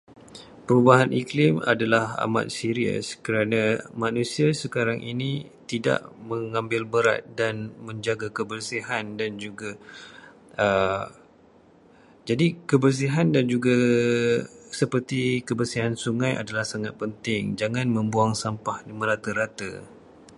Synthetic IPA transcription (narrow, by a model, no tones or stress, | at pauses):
pəɾubaɦanʔiklɪma̰dalaha̰ma̰t̪̚siɾiə̰skəɾanamanusiasəkaɾaŋʔḭni | t̪ida̰ʔməŋãmbɪlbəɾa̰t̪̚danmə̃ɲd͡ʒaɡakəbərsiɦandand͡ʒuɡa | ə | d͡ʒadikəbərs̬iɦandand͡ʒuɡa | səpərt̪ikəbərsiɦansuŋãjʔa̰dalahsaŋat̪̚pənt̪ɪŋd͡ʒaŋãnmə̃mbuaŋsampahliməɾat̪əɾat̪ə̰